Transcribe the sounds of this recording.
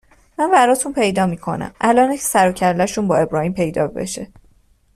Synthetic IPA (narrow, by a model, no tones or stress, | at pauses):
mænbæɾɒːt̪ʰunpʰe̞jd̪ɒːmiːkʰo̞̰næ̰mʔælɒːnecʰe̥sæɾocʰæɾd̪æʃuːnbɒːe̞bɾɒːhiːmpʰe̞jd̪ɒ̰ːbe̞̰ʃe